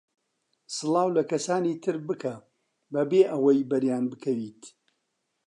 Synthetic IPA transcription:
sɨlˠɑːwlɐkɐsaːniːt̪ʰɨɾbɨkʰɐ | bɐbeːʔɐwɐjbɐɾjaːnbɨkʰɐwiːt̪

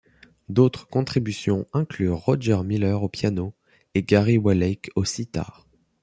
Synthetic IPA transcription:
d̪ot̪χəkɔ̃t̪χibysjɔ̃ɛ̃klyʁɔʒɛʁmilœʁopjano | eɡaʁiwalɛjkosit̪a̰ːʁ

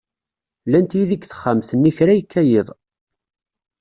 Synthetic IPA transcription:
lænt̪jiðiɡθə̥χːəmθənːiçɾæjəkʰːæjɪðˤ

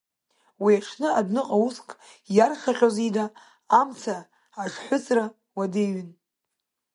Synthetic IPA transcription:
wiaʂʰnɨadnɨqʼauskʼ | jarχʲaχʲozidaː | mt͡sʰaː | ʂħʷʊt͡sʼra | wadejɥɪn

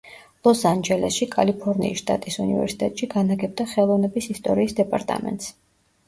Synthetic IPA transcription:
lˠɔsand͡ʒɛlɛsʃikʼalipʰɔɾnḭːsʃt̪ʼa̰t̪ʼisunivɛ̰ɾsi̥t̪ʼɛt̪ʼʃiɡanaɡɛb̚d̪aχɛlˠɔvnɛbisist̪ʼɔɾiːsd̪ɛpʼaɾt̪ʼa̰mɛ̰nt̪s

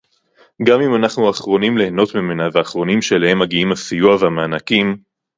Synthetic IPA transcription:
ɡamimanaχnuaχʁo̞nimleheno̞t̪mimenaveaχʁo̞nimʃelehe̞mːaɡiimasijuavehameanakim

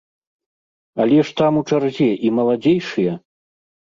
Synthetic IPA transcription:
alʲɛʂt̪amut͡ʂarzʲɛʔimɐlˠad͡zʲejʂɨjɛ

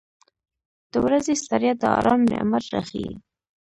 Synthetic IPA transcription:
d̪̥əwɾazest̪aɾjat̪̚d̪əɑ̰ɾɑmnḛmaɾɾa̰xḭ

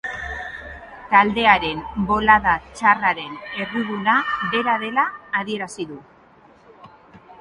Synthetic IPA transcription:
t̪ald̪e̞aɾe̞mbo̞laðat͡ʃaraɾe̞ne̞riðunaβe̞ɾað̞e̞laːðie̞ɾasiðu

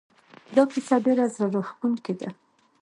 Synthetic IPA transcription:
d̪ɑkisaɖeɾazɾaɾoxt̪uŋked̪a

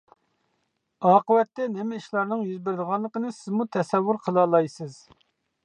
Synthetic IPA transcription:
ɑːqəwɛt̪ːɛnɪmɪiʃlˠɑɾnɨŋjyzbɪɾd̪əʁɑnlˠəqənɨsɪzmut̪ʰɛsɛwːuɾqʰəlˠɑːlˠɑjsɨz

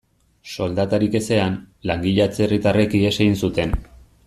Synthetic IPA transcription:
so̞ld̪at̪aɾike̞se̞an | laŋɡiʎat͡se̞rit̪are̞kieseɣinsut̪e̞n

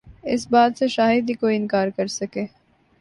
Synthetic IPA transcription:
ɪsbaːt̪seʃaːɦɪd̪ikoːiɪnkaːɾkɐɾsɐkeː

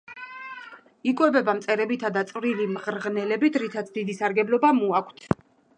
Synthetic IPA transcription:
ikʼwɛbɛbamt̪sʼɛɾɛbit̪ʰad̪at̪sʼvɾilimʁɾʁnɛlɛbit̪ʰɾit̪ʰat̪sʰd̪id̪isaɾɡɛblɔbamuakʷʰt̪ʰ

